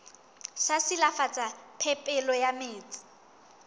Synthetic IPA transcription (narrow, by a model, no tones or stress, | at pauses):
sasilafat͡sʼapʰɛpʼɛlɔjameːt͡sʼɪ̥